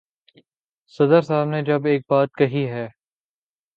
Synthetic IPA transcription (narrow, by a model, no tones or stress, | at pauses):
sɐd̪əɾsaːbned͡ʒɐbeːk̚baːt̪̚kɐɦiɦɛː